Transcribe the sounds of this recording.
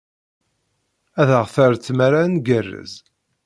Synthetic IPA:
æðəʁθəɾt͡sːmaɾanɡərːə̰z

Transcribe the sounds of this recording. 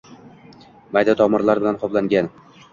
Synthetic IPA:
majd̪at̪ʰɒmɪɾlaɾbɪlanqʰɒblaŋɡʲan

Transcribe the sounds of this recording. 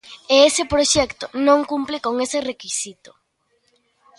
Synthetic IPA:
eesɪpɾoʃɛkt̪onõŋkumplɪkoŋeserekisit̪o̥

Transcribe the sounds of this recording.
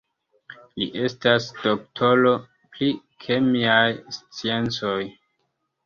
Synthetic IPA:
lḭʔe̞stasd̥oktʰo̞lo̞ | pli | kʰemiajst͡sie̞nt͡so̞j

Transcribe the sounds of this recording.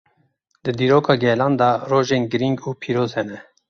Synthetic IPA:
d̪ɨd̪iːɾoːkʰɑːɡɛlɑːnd̪ɑroːʒeːnɡɨɾiŋɡuːpʰiːɾoːzhɛnɛ

